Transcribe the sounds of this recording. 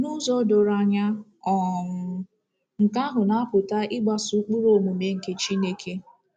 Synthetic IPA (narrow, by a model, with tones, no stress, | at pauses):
nu˦zo˦do˨ɾa˨ɲa˦ɔ˨ʊ˨ | ŋ̩˨ka˦ɦʊ˨na˨˦pʊ˨ta˦ɪ˦ɡ͡ba˨su˦k͡pu˦ɾo˨mu˨me˦ŋ̩˨ke˦t͡ʃi˦ne˦kʰe˦